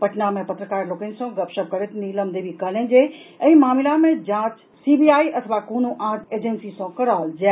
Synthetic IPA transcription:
pɐʈʰnamẽpɐt̪ɾəkaːɾloːkənɪ̆sãɡɐpʃəb̚kɐɾet̪ʰniːləmd̪ebikɐlə̃nd͡ʑeːɛ̃ːmaːmɪlamẽd͡ʑãːt͡ɕ | sibiaːiʔɐt̪ʰəʋakoːnuʔãːʈʰeːd͡ʑensisãkɐɾaːld͡ʑɛ

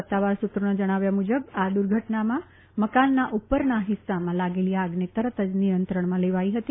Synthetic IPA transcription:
ət̪ːaʋaɾsut̪ɾəɳ̃əd͡ʒəɽ̃aʋjamud͡ʒəbad̪uɾɡʱəʈnamã | məkanːaʔupəɾnaɦɪsːamãlaɡeliaɡnet̪əɾət̪ʰəd͡ʒnijənt̪ɾəɳ̃mãleʋaiɦət̪i

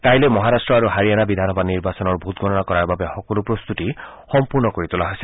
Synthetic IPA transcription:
kajlemɔɦaɾasʈɹɔaɾuɦaɹijanabid̪ʱanɔbaniɹbasɔnɔɹbʱut̪̚ɡʱɔɾɔnakɔɾaɹbabexɔkɔlupɾost̪ut̪ihɔmpuɹnɔkoɹit̪ulaɦojsi

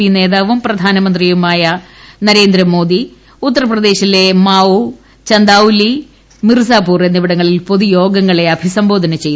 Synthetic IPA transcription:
ine̞ːðaːʋumprɐd̪ʱaːnɐmɐnd̪rijumaːjɐnɐɾe̞ːnd̪ɾɐmo̞ːd̪i | ut̪ːɐrɐprɐd̪e̞ːɕile̞maːu | t͡ɕɐnd̪aːuli | mirs̬aːpuːrenːiʋɐɽɐŋːɐɭilpo̞ðujo̞ːɡɐŋːɐɭe̞ɐbʱisɐmbo̞ːd̪ʱɐnɐt͡ɕe̞j

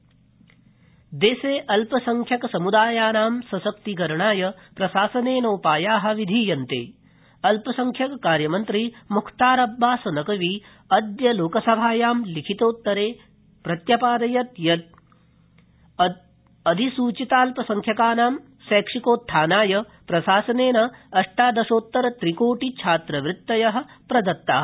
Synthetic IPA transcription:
d̪eːseːʔɐlpɐsɐŋkʰjɐkɐsɐmud̪aːjaːnaːmsɐsɐk̚t̪iɡɐɾɐɳaːjɐpɾɐʃaːsɐneːnoːpaːjaːɦɐ̆ʋid̪ʱiːjɐnt̪ḛː | ɐlpɐsɐŋkʰjɐkkaːɾjɐmɐnt̪ɾimukʰt̪aːɾɐbːaːsɐnɐkɐʋi | ɐd̪jɐloːkɐsɐbʱaːjaːmlikʰit̪oːt̪ːɐɾeː | pɾɐt̪jɐpaːd̪ɐjɐt̪jɐt̪̚ | ɐd̪ʱisuːt͡ʃit̪aːlpɐsɐŋkʰjɐkaːnaːm | sɛːkʂikoːt̪ʰːaːnaːjɐ | pɾɐʃaːsɐneːnɐːʂʈaːd̪ɐʂoːt̪ːɐɾɐt̪ɾikoːʈit͡ʃʰaːt̪ɾɐʋɾɪt̪ːɐjɐɦɐ̆pɾɐd̪ɐt̪ːaː

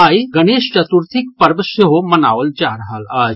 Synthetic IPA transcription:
aːjɡɐneːʃt͡ʃɐt̪uɾt̪ʰik̚pɐɾbəseɦomɐnaːʋəld͡ʒaːɾɦalaː

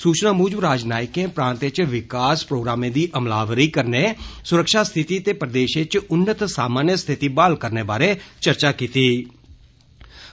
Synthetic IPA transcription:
suːt͡ʃnaːmuːd͡ʒbɾaːd͡ʒnaːɪkẽːpɾãːnt̪et͡ʃʋɪkaːspɾoːɡɾaːmẽːd̪iːʔəmlaːʋɾiːkəɾneːsʊɾəkʃaːst̪ʰɪt̪iːt̪eːpəɾd̪eːʃẽːt͡ʃʊnːət̪saːmaːɾnjəst̪ʰɪt̪iːbaːlkəɾneːbaːɾeːt͡ʃəɾt͡ʃaːkiːt̪iː

